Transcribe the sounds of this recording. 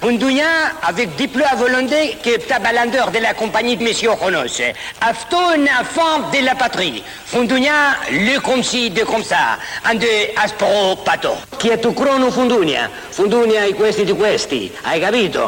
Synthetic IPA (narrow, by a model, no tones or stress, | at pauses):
fũnd̪uɲaavɛk̚d̪iploavolɔ̃nd̪ɛkept̪abalãnd̪øʁd̪elakɔ̃mpaɲid̪mesjɔʁonɔseaft̪onafɔ̃d̪elapat̪ɾi | fũnd̪uɲaløkɔ̃msid̪ekɔ̃msaãnd̪øaspʁopat̪o̰ | kiɛt̪ukɾɔnufũnd̪unja̰ | fũnd̪unjaikwɛst̪id̪ikwɛst̪ḭa̰jkaβit̪o̰